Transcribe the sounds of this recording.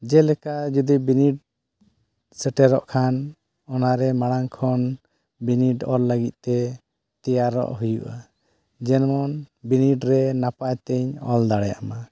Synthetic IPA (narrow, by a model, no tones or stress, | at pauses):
d͡ʒɛlɛkad͡ʒud̪ibiniɖ̚ | sɛʈɛɾɔʔkʰan | ɔnaɾɛmaɽaŋkʰɔn | biniʈɔɾləɡit̪̚ˀt̪ɛ | t̪ijaɾɔ̰ʔɦujṵʔa | d͡ʒɛnmɔnbiniʈɾɛnapajt̪ɛɲɔld̪aɽɛja̰ʔma